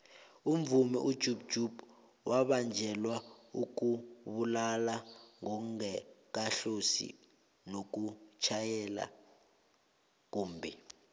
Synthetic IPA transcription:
um̩vumɛ̰ʔud̥ʒ̥ʱub̥ʒ̥ʱub̥ | waɓand͡ʒʱɛlwauk̬ʼuɓulalaŋɔŋɛk̬aɬosḭ | nok̬ut͡ʃʰajɛla̰ | k̬uːmbʱɛ

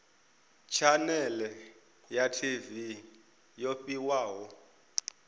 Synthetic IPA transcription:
t͡ʃʰanɛlɛ | jatʰivi | jopʼiwaːwɔ

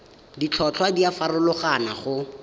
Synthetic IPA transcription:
dit͡ɬʰɔt͡ɬʰwadiafarʊlʊχanaχʊ

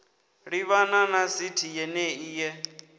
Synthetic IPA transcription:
ɺiβananasitʰijɛnɛiːjɛ

